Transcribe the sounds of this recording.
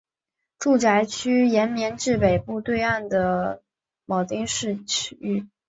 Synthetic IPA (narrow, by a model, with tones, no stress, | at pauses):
ʈ͡ʂu˥˩ʈ͡ʂa˧˥ɪt͡ɕʰy˥jɛ˧˥nmjɛ˧˥nʈ͡ʂɻ̩˥˩pe˨˩ɪpu˥˧t̪we˥˧ɪa˥˩nd̪ə˩ | mɑ˨˩t̪i˥ŋʂɻ̩ʰ˥˧˨y˥˩